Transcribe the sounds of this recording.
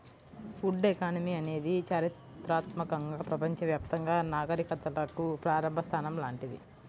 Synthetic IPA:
fuɖekaːnɐmiɐne̞ːd̪it͡ʃaːɾit̪ɾaːt̪mɐkɐŋɡaːpɾɐpɐɲt͡ʃɐʋjaːp̚t̪ɐŋɡaːnaːɡɐɾikɐt̪ːɐlɐkupɾaːɾɐmbʱɐst̪ʰaːnɐmlaːɳʈid̪ḭ

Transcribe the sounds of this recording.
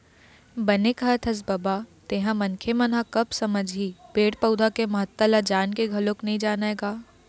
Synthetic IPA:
bɐnekat̪ʰɐs̬bɐbaːt̪eːɦãmɐnkʰemɐnɦãkɐbsɐməd͡ʒʱiːpeːɽpɐʊd̪ʱakemɐɦət̪ːalad͡ʒaːnkeɡʱɐlõknɐɦĩd͡ʒaːnaeɡaː

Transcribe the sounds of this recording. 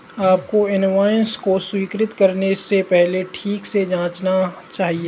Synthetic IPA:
aːp̚koɪnʋaːjənskoswiːkɾɪt̪kɐɾnessepɛɦleʈʰiːksed͡ʒãːt͡ʃna | t͡ʃaːɦieː

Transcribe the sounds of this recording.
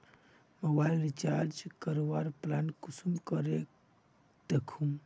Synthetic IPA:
məbajlɾit͡ʃaɾd͡ʒkəɾoʋaɾplankusumkəɾe | d̪ekʰum

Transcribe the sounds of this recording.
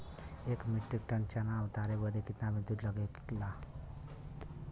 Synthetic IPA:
ekmiʈɾik̚ʈənt͡ʃanãut̪aɾebəd̪ekit̪nabĩd̪udləɡekla

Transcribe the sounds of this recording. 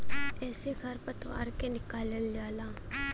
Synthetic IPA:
ɛːsekʰɐɾpət̪ʋa̰ːɾkenɪkaːləld͡ʒaːlaː

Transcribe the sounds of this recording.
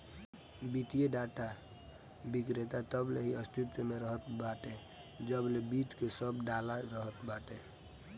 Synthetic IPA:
bit̪ijeɖaʈa | bikɾet̪at̪əbleɦiəst̪it̪jəmeɾəɦət̪baʈe | d͡ʒəblebiʈkesəbɖalaɾəɦət̪baʈ̪e

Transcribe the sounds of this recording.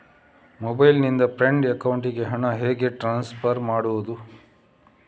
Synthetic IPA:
mobɐjlnind̪ɐpɾeɳɖɐkɐwuɳʈ̬iɡe̞ɦɐɳɐɦeːɡe̞ʈɾaːnspʰɐɾmaːɽuʋud̪u

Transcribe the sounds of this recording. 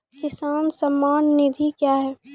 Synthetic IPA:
kɪsaːnsɐmːaːnːɪd̪ʱikjaːɦɛː

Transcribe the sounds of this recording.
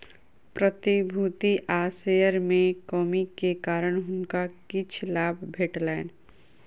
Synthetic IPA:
pɾət̪ibʱuːt̪iʔaːsejəɾmẽkɔːmikekaːɾəɽ̃ɦʊnkakɪt͡ʃʰlaːbʱbʱeːʈlaːn

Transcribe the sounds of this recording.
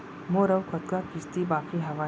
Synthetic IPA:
moːɾəwkʰɔt̪kakɪst̪ibaːkʰiɦɐʋaː

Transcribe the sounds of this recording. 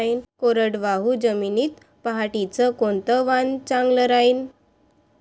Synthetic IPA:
iːnkoɾəɽʋaɦud͡ʑəminiːt̪ | paɦaʈit͡səkont̪əʋant͡ɕãŋɡləɾaiːn

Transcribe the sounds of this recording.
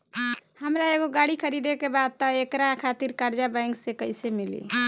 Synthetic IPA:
həmɾaeɡoɡaɽikʰəɾid̪ekebad̪̚t̪əekɾakʰat̪iɾkaɾd͡ʒabãjŋksekəjsemilḭ

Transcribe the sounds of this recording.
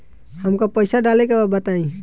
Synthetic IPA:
həmkapəɪsaɖalekebabət̪aĩ

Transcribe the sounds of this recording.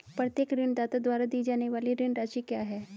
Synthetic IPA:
pɾɐt̪jeːkɾɪɳd̪aːt̪ad̪waːɾad̪iːd͡ʒaːneʋaːliɾɪɳɾaːʃikjaːɦɛː

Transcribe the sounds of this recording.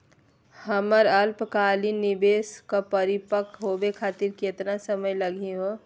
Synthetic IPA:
həməɾəlpkaːlinibeːskapəɾɪpəkɦobekʰaːt̪iɾket̪nasəməjləɡʱeɦo

